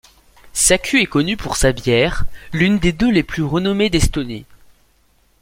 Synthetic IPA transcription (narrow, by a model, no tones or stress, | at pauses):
sakʲʰyɛkɔnypuʁsabjɛːʁlynd̪ed̪øleplyʁənɔmed̪ɛst̪ɔnḛ